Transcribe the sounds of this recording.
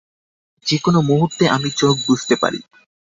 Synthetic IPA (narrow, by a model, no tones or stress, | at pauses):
d͡ʑekonomuɦuɾt̪ːeʔamit͡ɕok̚bud͡ʑʱt̪epa̰ɾḭ